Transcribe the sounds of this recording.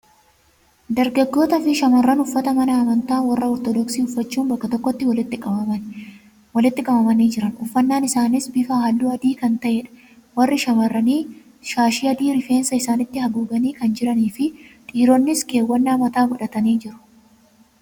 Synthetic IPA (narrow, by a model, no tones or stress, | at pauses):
d̪ɐɾɡɐɡːo̞ːt̪ɐfɪʃɐmɐrːɐnʊfːɐt̪ɐmɐnɐːmɐnt̪aːnwɐrːɐɔɾt̪ɔd̪ɔksiːʊfːɐt͡ʃːuːnbɐkːɐt̪ɔkːɔt̪ːɪwɔlɪt̪ːɪkʼɐbɐmɐn | wɔlɪt̪ːɪkʼɐbɐmɐniːd͡ʒɪɾɐnʊfːɐnːaːnɪsaːnɪsbɪfaːhɐlːuːɐd̪iːkɐnt̪ɐʔɛᶑɐ̥ | wɐrːɪʃɐmɐrːɐniː | ʃaːʃiːɐd̪iːɾɪfe̞ːnsɐɪsaːnɪt̪ːɪhɐɡuːɡɐniːkɐnd͡ʒɪɾɐniːfɪᶑ̪ʼiːɾonːɪske̞ːwːɐnːaːmɐt̪aːɡʊᶑɐt̪ɐniːd͡ʒɪɾʊ̥